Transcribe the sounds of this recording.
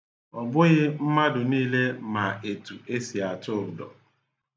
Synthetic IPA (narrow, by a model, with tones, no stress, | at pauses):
ɔ˨bʊ˦ɣɪ˦m̩˦ma˦dʊ˨niː˦le˦ma˨e˨tu˨e˦si˨a˨tʊ˦˨ɾʊ˨dɔ̰˨